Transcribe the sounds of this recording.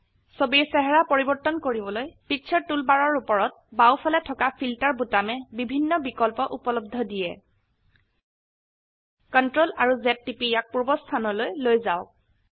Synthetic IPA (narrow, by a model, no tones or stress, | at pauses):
sobiɹsɛɦɛɹapoɹibɔɹtːɔnkoɹibɔlojpik̚sʰɔɹtulbaɹɔɹupɔɹɔt̚ | bawpʰalɛtʰɔkapʰiltaɹbutamɛbibʱinːɔbikɔlpɔʔupɔlɔb̚dʱɔdijɛ | kɔntɹolaɹuzɛtːipijak̚puɹbɔstʰanɔlojlojzaʊk̚